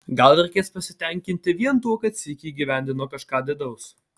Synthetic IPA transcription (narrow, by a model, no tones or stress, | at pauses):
ɡɐlˠɾʲɛɪkʲeːspɐsʲɪt̪ʲɛŋʲkʲɪnʲt̪ʲɪʋʲiɛnt̪uɔkɐt̪sʲikʲiːɡʲiːʋʲæˑnʲd̪ʲɪnuɔkɐʃkɑːd̪ʲɛd̪ɐʊs